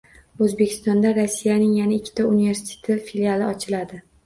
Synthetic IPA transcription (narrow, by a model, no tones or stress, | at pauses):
ɵzbekʲʰɪ̥st̪ɒnd̪aɾasːijanɪŋjanaɪkʲʰːɪ̥t̪ʰaunive̞ɾsɪ̥t̪ʰet̪ʰɪfilialˠɪɒt͡ʃʰɪlad̪ɪ